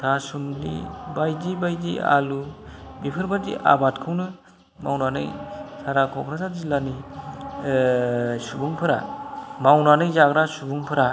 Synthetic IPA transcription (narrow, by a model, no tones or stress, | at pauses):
tʰasundḭbajdibajdia̰lubipʰɯɾbadḭʔa̰batkʰɯwnɯ | ma̰wnanɯjsʰaɾakʰɔpʰɾasazilani | subuŋpʰɯɾa̰mawnanɯjzaɡɾasubuŋpʰɯɾa